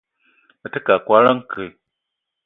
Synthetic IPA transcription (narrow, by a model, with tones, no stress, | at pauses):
ə˨tɨ˦ka˨kwa˦ɾə˦ŋ˦kʰɨ˨